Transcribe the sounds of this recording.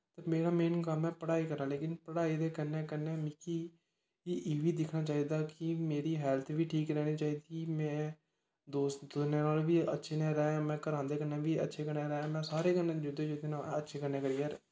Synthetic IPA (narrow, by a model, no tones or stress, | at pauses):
t̪əmeːɾaːmeːnkəmɛ̃ːpəɽaːiːkəɾãːleːkɪnpəɽaːiːd̪eːkənːẽːkənẽːmɪkiː | ʔiːʋiːd̪ɪkʰnaːt͡ʃaːiːd̪aːkɪmeːɾiːɦɛːlt̪ʰʋiːʈʰiːkɾɛːniːt͡ʃaːiːd̪iːmɛ̃ː | d̪oːsd̪osnẽːnaːlʋiːətːʃʰeːnẽːɾɛ̃ːãmɛ̃ːkəɾãːnd̪eːkənẽːʋiːətːʃʰeːkəɾnẽːɾɛ̃ːmɛ̃ːsaːɾeːkənẽːd͡ʒʊd̪eːd͡ʒʊd̪eːnaːətːʃʰeːkəɾneːkəɾiːaːɾ